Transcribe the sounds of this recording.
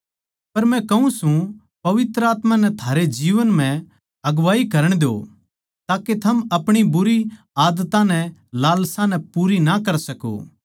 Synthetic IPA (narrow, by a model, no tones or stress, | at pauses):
pɐɾmɛ̃kɐũsũ | pɐʋɪt̪ɾəaːt̪mãnɛt̪ʰaːɾed͡ʒiːʋənm̤ɛ̃ | ɐɡʋaːikɐɾəɽ̃d̪eo̰ | t̪aːket̪ʰɐmɐpɽ̃ibʊɾi | aːd̪ət̪ãnɛ̃laːlsãnɛ̃puːɾinakɐɾsɐko̰ː